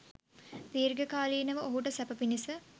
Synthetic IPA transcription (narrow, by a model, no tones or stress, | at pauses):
d̪iːɾɡəkaːliːnəʋəoɦuʈəsɛpəpinisə